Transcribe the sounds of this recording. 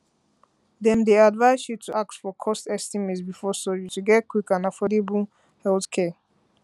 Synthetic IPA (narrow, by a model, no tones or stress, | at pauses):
d̪ɛ̃mdiadvaɪsjutʰuʔak̚tfɔkʰɔstɛstimitsbifɔsɔutuɡɛt̚kʰwikãnafɔdebu | hɛlθkʰɛ